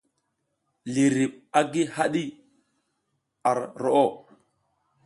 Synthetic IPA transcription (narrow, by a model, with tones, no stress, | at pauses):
li˨ɾi˨ɓ̚a˦ɡi˦ha˦ɗi˦ | a˨ɾɾo˨ʔo˦˨